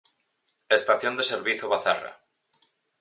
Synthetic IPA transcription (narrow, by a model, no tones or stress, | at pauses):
est̪aθjond̪eseɾβiθjoβaθa̰ra̰